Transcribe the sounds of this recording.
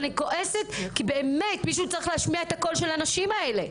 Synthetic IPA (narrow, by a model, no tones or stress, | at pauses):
niko̞ʔe̞se̞t̪kibe̞ːmme̞tmiʃ̬uut͡saʁiχleɦaʃmiaet̪ako̞lʃe̞lanaʃimaele̞